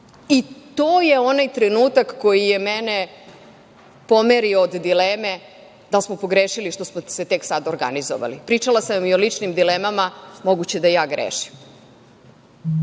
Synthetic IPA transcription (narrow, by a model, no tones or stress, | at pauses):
it̪oːje̞o̞najt̪ɾenuːt̪akːo̞jijemene̞ | po̞meɾiood̪d̪ileːme̞ | d̪alsmopo̞ɡɾeːʃiliʃt̪o̞smo̥set̪e̞ksad̪oɾɡa̰nizo̰ʋa̰lipɾiːt͡ʂalˠasamiolit͡ʃnimd̪ileːmamamo̞ɡut͡ɕe̞d̪ajaːɡɾḛːʃi̥m